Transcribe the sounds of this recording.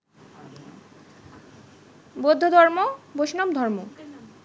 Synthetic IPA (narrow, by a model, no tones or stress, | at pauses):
bod̪ʱːod̪ʱɔɾmoboʃnɔmd̪ʱɔɾmo